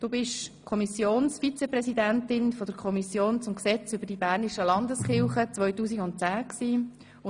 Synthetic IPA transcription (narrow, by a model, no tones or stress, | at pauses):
d̥oːbɪʃkʰɔmisjoːnsfit͡sɛprɛsidæntɪnfɔd̪əɾkʰɔmisjoːnt͡sʊmksɛt͡sʏb̥əɾd̥ibæːɾniʃəlɑndəsχɪlˠχət͡sʋœjtuːs̬iɡʊnt̚t͡sæːksiː | ʊ